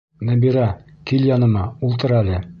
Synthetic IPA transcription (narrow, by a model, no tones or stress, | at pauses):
næbiɾæ | kiljɑnɤ̆mɑulˠt̪ɤ̆ɾælɘ